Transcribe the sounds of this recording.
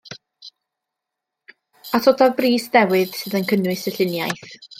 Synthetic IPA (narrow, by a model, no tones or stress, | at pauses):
atʰɔdaðbriːsðɛwɪð̥sɨːðənkʰənwɨsəɬɪnjajθ